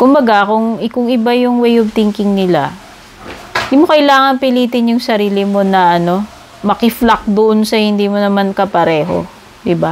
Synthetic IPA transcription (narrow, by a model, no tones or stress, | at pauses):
kʊmbɐɡakʊŋkʊŋɪbajʊŋwɛjob̚t̪iŋkɪŋnɪla̰ | nd̪imokɐɪlaːŋɐŋpɪliːt̪ɪnjʊŋsɐɾiːlɪmo̞nɐʔɐno̞ | mɐkɪflɐk̚d̪oʔonsɐhɪnd̪iːmonɐmankɐpɐɾɛːɦo̰ | d̪ɪba